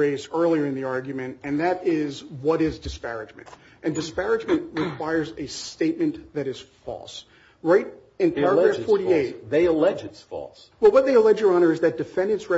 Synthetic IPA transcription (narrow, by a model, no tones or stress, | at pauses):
eɪzɜ˞lˠiə˞ɨ̃nðiɑɹɡjmɨ̃ntɨ̃nðɨɾɪzwʌɾɪzdɨspæɹɨd͡ʒmɨ̰̃nt | ʔɨ̃ndɨspæɹɨd͡ʒmɨ̃nʔɹɨkʰw̥aɪə˞zɨsteɪt̚mɨ̃nðɨɾɨz̥fɔ̰lˠs | ɹaɪɾ | ɨ̃npʰɛɹəɡɹævfɔɹɾieɪt̚ðeɪəlɛd͡ʒɨtsfɔ̰lˠs | wɛlˠwʌt̪̚ðeɪəlɛd͡ʒə˞ɑñə˞ɨzðɨt̚d̥ɨfɛ̃ndɨ̃nsɹɛ